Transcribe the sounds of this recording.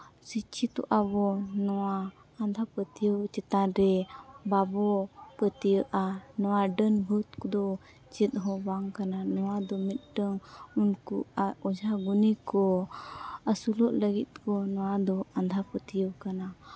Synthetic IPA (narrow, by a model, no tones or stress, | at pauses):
sit͡ʃʰit̪ɔ̰ʔabɔnɔwaː | nd̪ʱapət̪ijəwt͡ʃɛt̪aɾɛbabɔpət̪ijəʔanɔwaɖənbʱut̪̚kɔd̪ɔ | t͡ʃɛt̪̚ɦɔbaŋkananɔwad̪ɔmit̪̚ɖəŋunkuaɔd͡ʒʱaɡunikɔ | əsulɔʔ̪ləɡit̪̚kɔnɔwad̪ɔand̪ʱapət̪ijəwkana